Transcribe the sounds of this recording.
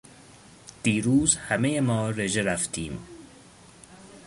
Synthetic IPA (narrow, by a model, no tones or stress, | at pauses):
d̪̥iːɾuːzhæmejemɒːɾe̞ʒeɾæft̪ʰiːm